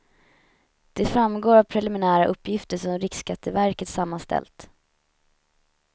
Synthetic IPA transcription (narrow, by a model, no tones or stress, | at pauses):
d̪̥ɛfɾamːɡoːɾavpʰɾɛlɪmɪnæːɾaʔɵpʰːjɪft̪əʂɔmɾɪkskat̪ʰːəvæɾkət̪samːanst̪ʰɛ̰lt̪